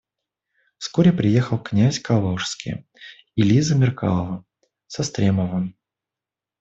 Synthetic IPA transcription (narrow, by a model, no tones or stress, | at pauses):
fskoɾʲɪpɾʲɪjexəlˠknʲæsʲkalˠoʂskʲɪ̰ | ɪlʲizəmʲɪrka̰lˠəvə | sɐst̪ɾʲeməvə